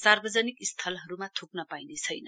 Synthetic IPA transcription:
sarbʌd͡zʌnikist̪ʰʌlɦʌɾumat̪ʰuknʌpajnet͡sʰʌjnʌ

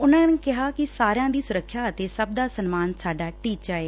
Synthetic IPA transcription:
ʊnãːneːkɪɦaːkɪsaːɾjãːd̪iːsʊɾəkʰːjaːət̪eːsəb̚d̪aːsənmaːnsaːɖaːʈiːaːeː

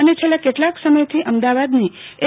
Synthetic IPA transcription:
ənet͡ʃʰelːakeʈlaksəməjt̪ʰiʔəmd̪aʋad̪nie

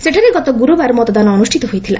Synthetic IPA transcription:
seʈʰaɾeɡɔt̪ɔɡuɾubaɾmɔt̪ɔd̪anɔːnusʈʰit̪ɔɦujt̪ʰila̰

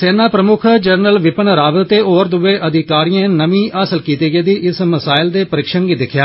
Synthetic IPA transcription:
seːnaːpɾəmʊkʰd͡ʒəɾnəlʋɪpənɾaːʋət̪t̪eːʔoːɾd̪ʊʋeːʔəd̪ɪkaːɾijãːnəmĩːʔaːsəlkiːt̪iːɡeːd̪iːʔɪsməsaːɪld̪eːpəɾɪkʃəɳɡiːd̪ɪkʰjaː

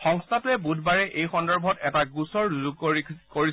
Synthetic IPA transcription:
xɔŋstʰatʊɛbudʱbaɹɛʔejxɔndɔɹbʱɔtɛtaɡusɔɹzuɡ̚ikoɹi

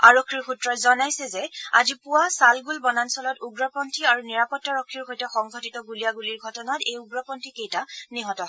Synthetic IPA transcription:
aɹɔkʰːiɹxutɹɔtzɔnajsɛzɛa̰zipuwasalɡulbɔnansɔlɔtuɡɹɔpɔntʰiaɹuniɹapɔtːaɹɔkʰːiɹɦojtɛxɔŋɡʱɔtitɔɡulijaɡuliɹɡʱɔtɔnatejuɡɹɔpɔntʰikejtaniɦɔtɔɦɔ

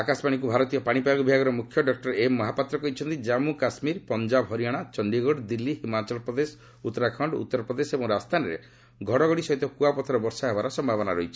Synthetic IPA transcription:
akaspaɽ̃ik̬ubʱaɾɔt̪ijɔpaɽ̃ipaɡubʱaɡɔɾɔmukʰjɔɖɔk̚ʈɔɾemːɔɦapat̪ɾɔkɔɦit͡ʃʰɔnt̪id͡ʒamukasmiɾpɔnd͡ʒabɦɔɾiaɽ̃at͡ʃɔɳɖiɡɔɽd̪ilːiɦimat͡ʃɔlpɾɔd̪esɔ̥ | ut̪ːɔɾakʰɔɳɖṵt̪ːɔɾɔpɾɔd̪esebɔŋɾast̪ʰanɔɾḛ | ɡʱɔɽɔɡɔɽisɔɦit̪ɔkuapɔt̪ʰɔɾɔbɔɾsaɦebaɾɔsɔmbʱabɔnaɾɔɦit͡ʃʰi̥

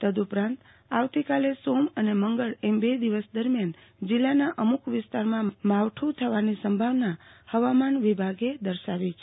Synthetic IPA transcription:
t̪əd̪upɾãnt̪ | aʋt̪ikalesoməneməŋɡəɭembed̪iʋəsd̪əɾmjan | d͡ʒilːanaʔəmukʋɪst̪aɾmãmaʋʈʰũt̪ʰəʋanisəmbʱaʋnahəʋamanʋibʱaɡed̪əɾʃaʋi

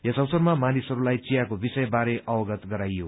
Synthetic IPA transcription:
jʌsʌwsʌɾmamanisɦʌɾulajt͡sijakobisʌjbaɾeʔʌwʌɡʌt̪ɡʌɾajo

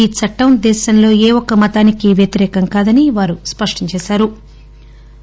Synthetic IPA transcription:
iːt͡ʃʰɐʈːɐwnd̪ɛːʃɐnlo̞ːeːʋɔkɐmɐt̪aːnikiʋjɐt̪iɾɛːkɐŋkaːd̪ɐniʋaːɾuspɐʂʈɐɲt͡ʃɛːʃaːɾu

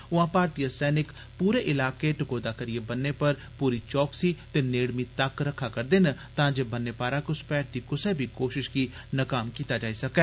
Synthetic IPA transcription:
ʊãːpaːɾʈijəsɛːnɪk | puːɾeːʔɪlaːkeːʈɪkoːd̪aːkəɾɪeːbənːeːpəɾ | puːɾiːt͡ʃɔːksiːt̪eːneːɽmiːt̪əkɾəkʰːaːkəɾd̪eːnət̪ãːd͡ʒeːbənːeːpaːɾaːkʊspɛːʈ̚d̪iːkʊsɛːbʱiːkoːʃɪʃkiː | nəkaːmkiːt̪aːd͡ʒaːiːsəkɛː

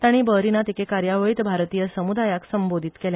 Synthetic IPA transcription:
t̪aɽ̃ibəɾinat̪ikekaɾjaʋəit̪bʱaɾt̪ijəsəmud̪ajaksəmbod̪ʱiːt̪kelja

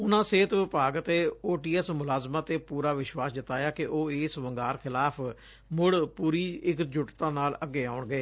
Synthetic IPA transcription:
ʊnãːseːt̪ʋɪpaːɡət̪eːoːʈiːɛsmʊlaːzmãːt̪eːpuːɾaːʋɪʃwaːsd̪ɪt̪aːjaːkɪʔoːeːsʋəŋɡaːɾkʰɪlaːpʰ | mʊɽpuːɾiːɪkd͡ʒʊʈt̪ãːnaːləɡːeːaːʊɳɡəeː

